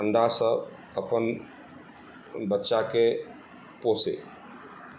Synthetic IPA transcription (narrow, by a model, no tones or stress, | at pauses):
əɳɖasəb | əpən | bətːʃake | posḛ